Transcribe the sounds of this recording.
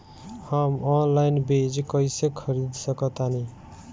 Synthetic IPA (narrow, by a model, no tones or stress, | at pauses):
hamɔnlajnbed͡ʒkʌjsekʰʌɾid̪sʌkʌt̪ani